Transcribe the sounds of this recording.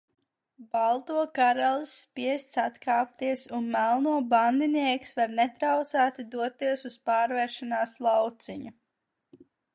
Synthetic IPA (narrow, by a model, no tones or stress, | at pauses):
balˠt̪uɔkaɾɛlˠsːpiɛst̪sat̪kaːp̚t̪iɛsunmælˠnuɔband̪iniɛksvaɾnɛt̪ɾawt̪saːt̪id̪uɔt̪ːiɛsuspaːɾvɛɾʃanaːslˠawt̪siɲu